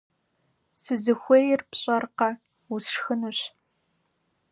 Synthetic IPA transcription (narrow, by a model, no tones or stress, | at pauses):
sɨzɨxʷejɪrpɕʼɐrqɐ | usʂxɨnuɕ